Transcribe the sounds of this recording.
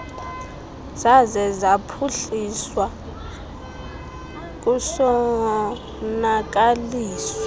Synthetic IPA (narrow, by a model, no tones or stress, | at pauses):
zazɛzapʰuɬiswa | k̬ʼusɔ | nak̬ʼaliːsɔ